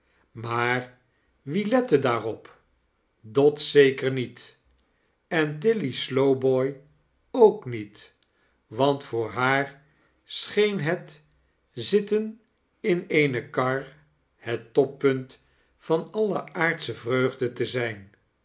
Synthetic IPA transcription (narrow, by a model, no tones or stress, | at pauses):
maːr | ʋilɛtədaːrɔp | dɑtsejkəɹnit | ɛnt̬ɪlislowbɔj | owknit | ʋɑntfʊːɹɦaːɹ | sχejnɦət | zɪtən | ɪnejnəkɑɹ | hətɔpːɵnt | fɑnɑləaːɹtsəvrøɥχdətəzɛjn